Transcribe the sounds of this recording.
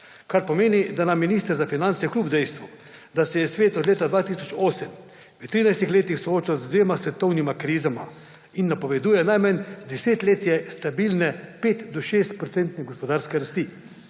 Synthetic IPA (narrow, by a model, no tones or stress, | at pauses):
kaɾpɔmeːnid̪anamːiniːst̪əɾzafinant̪sijɛkluːbd̪ɛjst̪ʋu | d̪asɛjɛsʋeːt̪ɔd̪leːt̪ad̪ʋaːt̪isɔt͡ʃoːsɛm | ʋət̪ɾiːnajst̪ixleːt̪ixsɔoːt͡ʃawzd̪ʋeːmasʋɛt̪ɔwnimakɾiːzama̰ | inːapɔʋɛd̪uːjɛnajmand̪ɛseːt̪leːt̪jɛst̪abilnɛpeːt̪d̪ɔʃeːst̪̚pɾɔt̪sɛnt̪nɛɡɔspɔd̪aːɾskɛɾast̪i